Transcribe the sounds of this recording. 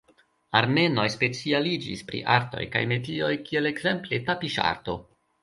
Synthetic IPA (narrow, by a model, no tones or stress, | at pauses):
aɾme̞no̞jspe̞t͡sialid͡ʒḭspɾḭʔaɾto̞̰jka̰jme̞tio̞jkie̞lekze̞mple̞tapiʃa̰ɾto̞̰